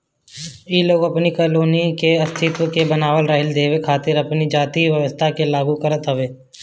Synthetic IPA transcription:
iloːɡɐpnikəloːnikeɐst̪ʰɪt̪wəkebənaːʋəlɾəɦɪld̪eːʋekʰaːt̪ɪɾɐpnid͡ʒaːt̪iʋjəʋəst̪ʰakelaːɡukəɾət̪ɦəʋeː

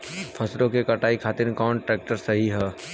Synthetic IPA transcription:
pʰɐsɾõkekɐʈaːikʰaːt̪ɪɾkɔːnʈɾeːk̚ʈəɾsɐɦiɦɛː

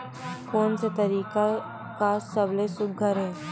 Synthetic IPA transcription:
koːnset̪ɐɾiːka | kasɐblesʊɡ̚ɡʱəɾɦɛː

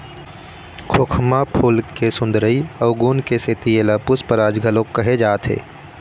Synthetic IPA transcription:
kʰokʰmapʰuːlkesʊ̃nd̪ɾəiɐʊɡuːnkeset̪ieːlapʊspəɾaːd͡ʒɡʱəlõkːəɦed͡ʒaːt̪ʰɦḛː

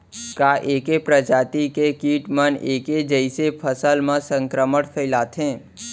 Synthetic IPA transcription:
kaʔeːkepɾəd͡ʒaːt̪ikekiːʈməneːked͡ʒəɪsepʰəsəlmãsə̃ŋkɾəməɽpʰəɪlaːt̪ʰɦẽː

